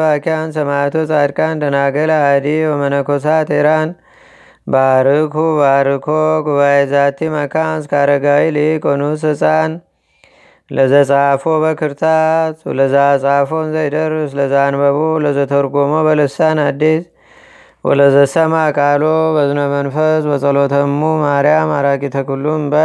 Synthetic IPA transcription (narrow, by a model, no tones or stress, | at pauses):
βakiansɐmat̪ʰot͡sʼad̪kʼand̪ʰənaɡəlaad̪iwomənəkos̬at̪eɾan | baɾɨkʰubaɾɨkʰoɡuβajezat̪ʰːimakʰanskʰaɾəɡailikʼonusɨt͡sʼan | ləzət͡sʼafobəkʰɨɾt̪ʰat̪ləzasʼafonzɐjd̪əɾsləzanbəβoləzət̪ʰəɾɡomobəlɨsanad̪ːis | wɔ̰ləzəsəmakʼalobəzɨnomənfəsbət͡sʼəlot̪ʰəmumaɾjamaɾakʼit̪ʰəkulːumba